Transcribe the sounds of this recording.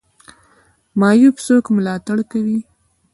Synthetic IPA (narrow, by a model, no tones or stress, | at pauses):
mɑjupsokmʊlɑt̪aɽkawi